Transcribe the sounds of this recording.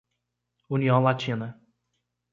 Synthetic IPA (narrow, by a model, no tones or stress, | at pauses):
uniɐ̃w̃lat͡ʃĩnɐ